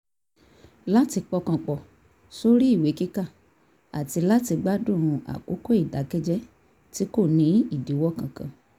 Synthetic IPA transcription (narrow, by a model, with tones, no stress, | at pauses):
la˦ti˧k͡pɔ˧kã˨k͡pɔ˨ | so˦ɾi˦i˦˨we˨˦ki˦ka˦˨ | a̰˨ti˧la˦ti˧ɡ͡ba˦dũ˦˨ɾ̃ũ˧ʔa̰˨ko˨˦ko˦i˦˨da˨˦kɛ˦d͡ʒɛ˦ | ti˨˦ko˦˨nĩ˨˦i˦˨di˨˦wɔ˦˨kã˨kã̰˨